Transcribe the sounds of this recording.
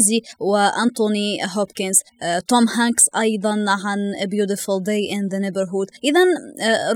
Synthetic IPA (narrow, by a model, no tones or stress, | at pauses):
ziwɪʔant̪oniɦɔpkɪnzt̪omhaŋksʔɑjd̪ˤɑnʕanbjuːd̪ɪfʊld̪ejʔɪnðanɪbəɾɦʊd̪ʔɪðanɾ